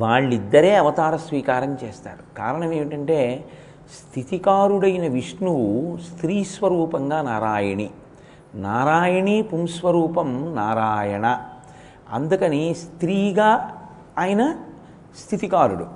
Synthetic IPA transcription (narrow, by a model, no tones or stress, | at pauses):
ʋaːɭːid̪ːɐɾe̞ːɐʋɐt̪aːɾɐsʋiːkaːɾɐmt͡ʃeːst̪a̰ːɾukaːɾɐɳɐme̞ːmiʈɐɳʈe̞ː | st̪ʰit̪ikaːɾuɽɐjinɐʋiʂnust̪ɾiːsʋɐɾuːpɐŋɡaːnaːɾaːjɐɳi | naːɾaːjɐɳipumsʋɐɾuːpɐmnaːɾaːjɐɳɐ | ɐ̰nd̪ukɐnist̪ɾiːɡaː | aːjɐnɐ | st̪ʰit̪ikaːɾuɽṵ